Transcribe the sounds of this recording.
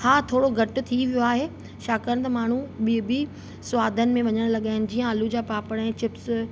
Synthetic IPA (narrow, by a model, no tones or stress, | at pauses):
haːt̪ʰoːɽoɡʱɐʈʊ̆t̪ʰiʋijoaːɦeː | ʃaːkəənɪ̆t̪ɐmaːɳ̤uɓibʱi | sʊʋaːd̪ʱənɪ̆mẽʋɐɲəɽ̃lɐɠaːɪnɪ̆d͡ʑiːə̃əlud͡ʑaːpaːpəɽɛ̃ːt͡ɕɪps